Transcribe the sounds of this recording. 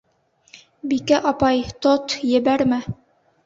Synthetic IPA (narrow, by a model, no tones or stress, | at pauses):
bikæʔɑpɑjt̪ot̪jɘ̆bæɾmæ